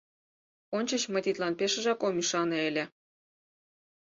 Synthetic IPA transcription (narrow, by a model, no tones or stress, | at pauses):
onʲt͡ɕə̆t͡ɕmə̆jt̪it̪lɑnpeʃə̆ʒɑkomyʃɑneelʲe